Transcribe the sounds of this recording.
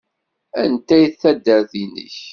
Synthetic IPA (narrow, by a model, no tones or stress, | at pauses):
ænt̪æjθːæd̪ːəɾθinə̰ç